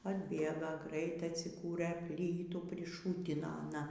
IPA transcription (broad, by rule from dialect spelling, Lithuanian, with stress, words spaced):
ɐdʲˈbʲeːɡɐ ˈɡrɐɪtɐɪ ɐtʲsʲɪˈkuːrɘ ˈpʲlʲiːtuː pʲrʲɪˈʃuːtʲɪnoː ɐˈnɐ